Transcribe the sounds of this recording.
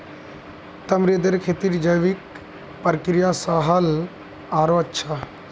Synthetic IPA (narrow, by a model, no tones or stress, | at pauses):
t̪ɐmɾed̪əɾkʰeːt̪iɾd͡ʒɐjʋik | pəɾkɾijasaɦɐl | aːɾoɐtːʃʰa